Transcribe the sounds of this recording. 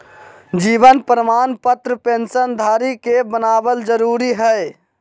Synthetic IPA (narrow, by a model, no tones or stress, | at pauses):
d͡ʒiːbənpɾəmaːnpət̪ɾəpensənd̪ʱaːɾikebənaːbəld͡ʒəɾuɾiɦəj